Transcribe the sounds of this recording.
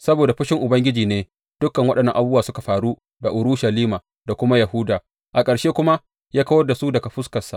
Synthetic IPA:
sɐ˦boː˨da˨ɸɪ˦ʃɪ˦ŋʔʊ˨bɐ˦ŋɡʲɪ˦d͡ʒiː˨neː˦ | d̥ʊ˦kɐ˨ŋwɐ˦ɗɐ˨nːɐ˦ʔa˨buː˦waː˨sʊ˦ka˨ɸaː˨ɾu˦ | da˨ʔʊ˨ɾu˦ʃa˨liː˦maː˨ | da˨kʷʊ˦ma˦ja˨hʊː˦daː˨ | ʔa˨kʼɐ˨ɽʃeː˦kʷʊ˦ma˦ | jaː˦kɐ˦wɐ˦da˨su˦dɐ˨ka˨ɸʊ˦skɐ˨sa̰˨ʔ

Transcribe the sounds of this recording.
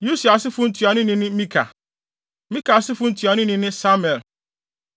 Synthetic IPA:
ju˦si˨a˨sɪ˦fʊ̃˦n̩˦tʰi˨a˨nɪ̃˦nɪ̃˦nɪ̃˦mĩ˦kʰa̰˨ | mĩ˦ka˨sɪ˦fʊ̃˦n̩˦tʰɥa˨nɪ̃˦nɪ̃˦nɪ̃˦sa˦m˨ɛ˨l

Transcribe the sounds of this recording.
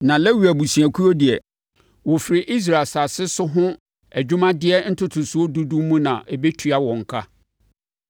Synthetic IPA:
nã˨lɛ˦wu˨æ˨bu˨si˨æ˨kʰu˦ɾo˦dɪ˨ɛ˨ | wɔ˨fɪ˨ɾɪ˨ʔi˦s̬ɾa˨lsa˨sɪ˦sʊ˦ɦʊ̃˦ | æ˨d͡ʑᶣu˦mã˦dɪ˦ɛ˦n̩˦tʰʊ˦tʰʊ˨su˨˦o˦du˦dũ˦mːũ˦nã˨ʔɛ˨be˦tʰɥa˦wɔ̃˨ŋ̩˨kʰa˦

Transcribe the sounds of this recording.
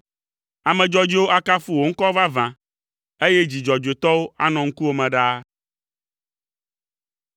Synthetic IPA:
a˨mɛ̃˨d͡ʒɔ˦d͡ʑi˦wo˦ʔa˦ka˦fu˦wo˨ŋ̩˦kɔ˦va˦vã˨ | e˦je˦d͡ʑi˨d͡ʒɔ˨d͡ʒe˨t̪ɔ˦wo˦a˦nɔ̃˨ŋ̩˦ku˦wo˦mɛ̃˨ɖa˦

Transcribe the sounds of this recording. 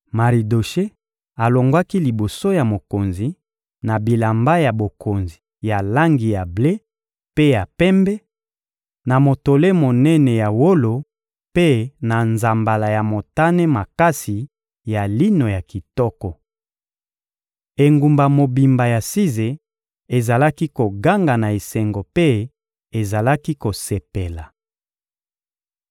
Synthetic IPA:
ma˨ʁi˨do˨ʃe˦ | a˨lo˨ŋɡwa˦ki˦li˨bo˨so˦ja˨mo˨ko˨nzi˨ | na˨bi˨la˨mba˦ja˨bo˨ko˨nzi˨ja˨la˦ŋɡi˨ja˨ble˦ | pe˦ja˨pɛ˦mbɛ˦ | na˨mo˨to˨le˦mo˨nɛ˦nɛ˨ja˨wo˦lo˨ | pe˦na˨nza˨mba˨la˨ja˨mo˨ta˦nɛ˦ma˨ka˦si˨ | ja˨li˦no˨ja˨ki˨tɔ˦kɔ˨ | e˨ŋɡu˨mba˨mo˨bi˨mba˨ja˨si˦ze˨ | e˨za˨la˦ki˦ko˨ɡa˦ŋɡa˨na˨i˨sɛ˨ŋɡo˨pe˦ | e˨za˨la˦ki˦ko˨se˨pe˨la˨

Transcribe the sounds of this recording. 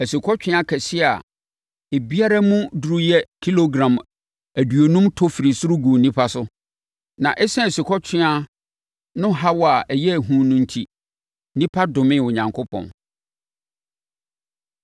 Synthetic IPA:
æ˨si˨kʰɔ˦t͡ɕᶣɪ̃˦a˦kʰɛ˨sɪ˦a˨ | e˨bi˦a˦ɾa˦mũ˦du˨ɾu˦jɛ˦kʰi˦lo˦ɡɾã˨m | æ˨dɥo˨nũ˦mtʰɔ˦fi˨ɾi˨sʊ˦ɾʊ˦ɡu˨nĩ˦pʰa˦sʊ˦ | nã˨ʔɛ˦sɛ̃˦æ˨si˨kʰɔ˦t͡ɕᶣʰɪ̃˦a˦ | nʊ̃˦ɦa˦wɔ˦a˨ʔɛ˨jɛ˦æ˨ɦũː˦nũ˦n̩˦tʰi˦ | nĩ˦pʰa˦dʊ̃˨mɪ̃˦˨wʊ˨ɲã˨ŋkʰo˦pʰɔ̰̃˨n

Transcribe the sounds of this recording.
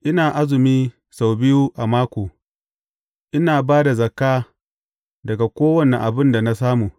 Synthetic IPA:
ʔɪ˦naː˨ʔa˦zɪ˨miː˦ | sa˨wbɪ˦juː˦ʔa˨maː˦kʷoː˨ | ʔɪ˦naː˨baː˦da˨zɐ˨kaː˦ | dɐ˨ɡa˨kʷoː˦wɐ˦˨nɛ˨ʔa˨bɪ˦nda˨na˦s̬aː˦muː˨

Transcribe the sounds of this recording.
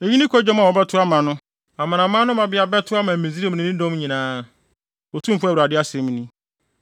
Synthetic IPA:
e˨ɲĩ˦nĩ˦kʰɔ˦d͡ʑᶣɔ˦m˦a˨wɔ˨bɛ˦tʰʊ˦a˦mã˨nʊ̃˦ | a˨mã˨nã˨mã˦nʊ̃˦mã˨bɪ˦a˨bɛ˦tʰʊ˦a˦mã˨m̩˨mẽ˨zi˦e˦m˨ñ˨˦ĩ˦dɔ̃˦m˦ɲĩ˨nãː˦˨ | ɔ˨tʰũ˦m̩˦fʊ˦a˨wu˨ɾa˨dɪ˦a˦sɛ̃˨m̃˨nĩ˦

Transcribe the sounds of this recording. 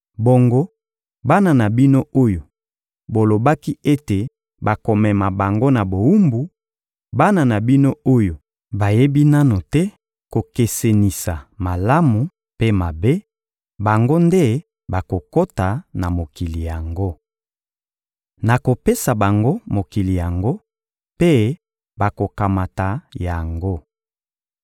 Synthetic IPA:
bo˨ŋɡo˦ | ba˦na˨na˨bi˦no˦o˦jo˨ | bo˨lo˨ba˦ki˦e˦te˨ | ba˨ko˨mɛ˨ma˨ba˨ŋɡo˦na˨bo˨wu˦mbu˨ | ba˦na˨na˨bi˦no˦o˦jo˨ | ba˨je˦bi˦na˦no˨tɛ˦ | ko˨ke˨se˨ni˨sa˨ma˨la˦mu˨ | pe˦ma˨be˦ | ba˨ŋɡo˦nde˦ | ba˨ko˨ko˦ta˨na˨mo˨ki˨li˨ja˨ŋɡo˦ | na˨ko˨pe˦sa˨ba˨ŋɡo˦mo˨ki˨li˨ja˨ŋɡo˦ | pe˦ | ba˨ko˨ka˨ma˨ta˨ja˨ŋɡo˦

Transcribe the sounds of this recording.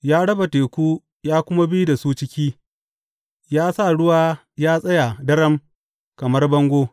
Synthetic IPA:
jaː˦ɽɐ˦ba˨teː˨kʷuː˦ | jaː˦kʷʊ˦ma˦bi˦da˨suː˦t͡ʃɪ˦kʲiː˦ | jaː˦sa˦˨ɽʊ˦waː˦ | jaː˦sʼɐ˦ja˨dɐ˦ɾɐ˦m | kɐ˨mɐ˦rbɐ˦ŋɡʷoː˦

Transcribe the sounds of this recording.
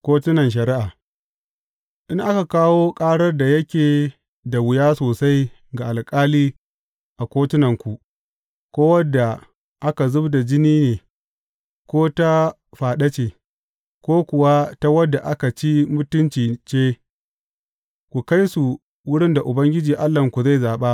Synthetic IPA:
kʷoː˦tʊ˦nɐ˨nʃ̬ɐ˨ɾɪ˦ʔaː˨ | ʔɪ˦ŋʔa˦ka˨kaː˦woː˦kʼaː˦ɽɐ˦rda˨jɐ˦kʲeː˨ | da˨wʊ˨jaː˦soː˨sa˦j | ɡa˨ʔa˨lkʼaː˦liː˦ | ʔa˨kʷoː˦tʊ˦nɐ˨ŋkʷu˨ | kʷoː˦wɐ˦dːa˨ | ʔa˦ka˨zʊ˦bda˨d͡ʒɪ˦niː˦neː˨ | kʷoː˦ta˦ | ɸaː˨ɗɐ˦t͡ʃeː˨ | kʷoː˦kʷʊ˨wa˦ta˦wɐ˦dːa˨ʔa˦ka˨t͡ʃi˦mʊ˦tʊ˦nt͡ʃiː˨t͡ʃeː˦ | kʷu˨ka˦jsu˨ | wʊ˦ɽɪ˦nda˨ʔʊ˨bɐ˦ŋɡʲɪ˦d͡ʒiː˨ʔa˦lːɐ˨ŋkʷu˨za˦˨jzaː˨ɓa˦

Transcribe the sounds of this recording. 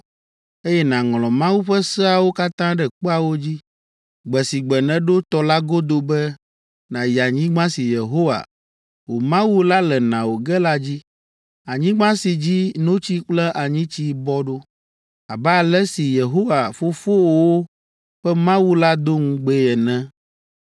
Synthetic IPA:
e˦jɛ˦nã˨ŋlɔ̃˨mã˦wu˦ɸɛ˦sɛ˦a˨wo˦ka˦t̪ã˦ɖɛ˨k͡po˦a˨wo˦d͡ʑi˦ | ɡ͡bɛ˨si˨ɡ͡bɛ˨nɛ̃˨ɖo˦t̪ɔ˨la˦ɡo˦d̪o˦bɛ˦ | nã˨ji˨a˨ɲĩ˦ɡ͡bã˦si˨je˨ɦo˦wa̰˨ | wo˨mã˦wu˦la˦lɛ˨nã˨wo˨ɡɛ˦la˦d͡ʑi˦ | a˨ɲĩ˦ɡ͡bã˦si˨d͡ʑi˦nõ˦t͡ɕi˦k͡plɛ˦ʔa˨ɲĩ˦t͡ɕi˦bɔ˦ɖo˦ | a̰˨bɛ˦a˨lɛ˦si˨je˨ɦo˦wa˨fo˦fo˦wwo˦ | ɸɛ˦mã˦wu˦la˦d̪o˦ŋũ˦ɡ͡bɛ˦jɛ˨nɛ̃˦

